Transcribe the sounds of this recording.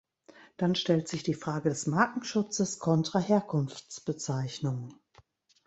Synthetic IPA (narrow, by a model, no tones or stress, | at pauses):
d̥anʃtɛltz̥ɪçd̥iːfʁ̥aːɡədɛsmaːkŋ̩ʃʊt͡səskʰɔntʁ̥aheːɐkʰʊnft͡sb̥ət͡saɪçnʊŋ